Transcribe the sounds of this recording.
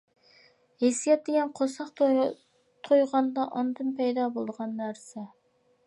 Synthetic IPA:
hesijɛt̪̚d̪eɡʲɛnqʰosɑqt̪ʰo | t̪ʰojʁɑnd̪ɑʔɑnd̪ɨnpʰɛjd̪ɑːbolˠd̪əʁɑnːæɾsɛ

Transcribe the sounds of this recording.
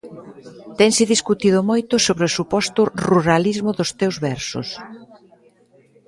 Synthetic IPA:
t̪ɛŋsɪðiskut̪iðʊmojt̪ʊsoβɾeosupɔst̪ʊruɾalizmʊðʊst̪ewzβɛɾsʊ̰s

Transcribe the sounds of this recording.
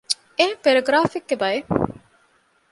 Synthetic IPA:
epeɾeɡɾaːfikːebɐe

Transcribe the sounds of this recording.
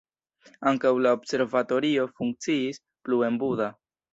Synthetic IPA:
aŋkawlaobse̞ɾvato̞ɾio̞fuŋk̚t͡siis | plue̞mbuda

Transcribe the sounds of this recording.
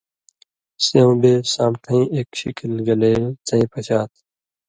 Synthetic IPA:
seũbeːsãːmt̪ʰɐ̃ĩeːkɕikʰilɡɐleːt͡sɐ̃ĩːpɐt͡ɕaːt̪

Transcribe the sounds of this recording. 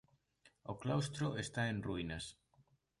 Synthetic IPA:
oklawst̪ɾoest̪aenruinas

